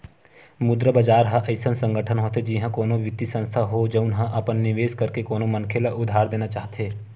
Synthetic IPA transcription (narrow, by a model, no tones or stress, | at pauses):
mʊd̪ɾəbɐd͡ʒaːɾɦaʔɐɪsənsɐ̃ŋɡəʈʰənɦoːt̪ed͡ʒiɦãkoːnõʋɪt̪ːisə̃nst̪ʰaɦod͡ʒɐʊnɦãʔɐpənːɪʋeːskɐɾkekoːnõmɐnkʰelaʔʊd̪ʱaːɾd̪eːnat͡ʃaːɦt̪eː